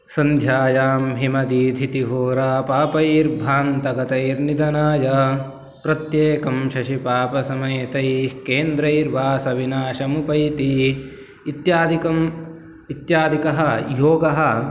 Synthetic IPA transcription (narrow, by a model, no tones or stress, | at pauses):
sɐnd̪ʱjaːjaːmɦimɐd̪id̪ʱit̪iɦoːɾaːpaːpɐiɾbʱaːnt̪ɐɡɐt̪ɐiɾnid̪ɐnaːjɐ | pɾɐt̪jeːkɐmʃɐʃipaːpɐsɐmɐjt̪ɐjkeːnd̪ɾɐiɾʋaːsɐʋinaːʃɐmupɐjt̪i | it̪jaːd̪ikɐm | it̪jaːd̪ʱikɐɦɐjoːɡɐɦɐ̆